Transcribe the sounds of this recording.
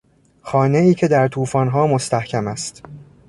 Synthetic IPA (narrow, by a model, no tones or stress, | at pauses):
xɒːne̞iːcʰe̞d̪æɾt̪ʰuːfɒːnɦɒːmo̞st̪æhcʰæmæst̪